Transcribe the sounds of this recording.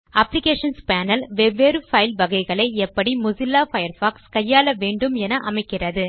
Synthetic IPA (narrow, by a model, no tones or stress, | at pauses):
ɐplɪkeːʂɐnspaːnɐlʋɛʋːeːɾɯfɐɪlʋɐɣɐɪɣɐɭɐɪɛpːɐɽimʊsɪlːaːfɐjɐɾfaːkskɐjːaːlɐʋeːɳɖɯmɛnɐʔɐmɐɪkːɪrɐðɯ